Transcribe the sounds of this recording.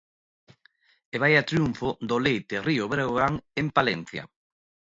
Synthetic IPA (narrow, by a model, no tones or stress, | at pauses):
eβajat̪ɾjuɱfod̪olejt̪erioβeɾɣoɣaŋempalɛn̟θja̰